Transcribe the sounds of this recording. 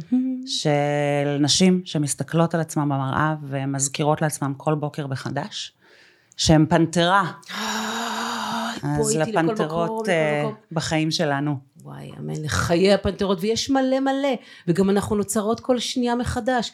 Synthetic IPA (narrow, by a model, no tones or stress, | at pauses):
ʃelnaʃimʃemist̪aklo̞talat͡smambamaʁʔa̰vemazkiʁo̞tleat͡smamkʰo̞lbo̞ke̞ʁbeχadaʃː | eempanteʁa | azlapanteʁo̞t | baχaimʃelanu | wa̰ja̰menleχajeapanteʁo̞tvejeʃmale̞male̞ | veɡamanaχnuno̞t͡saʁo̞t̪ko̞lʃnijameχadaʃ